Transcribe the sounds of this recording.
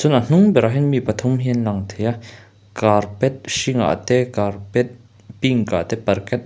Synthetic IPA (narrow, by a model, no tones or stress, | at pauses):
sunɐn̥uŋbɛɾaɦinmipɐt̪ʰumɦinlaŋt̪ʰeja | kaɾpɛt̪̚ʃiŋa̰ʔt̪ekaɾpɛt̪̚ | piŋka̰t̪epɐɾkɛt̪̚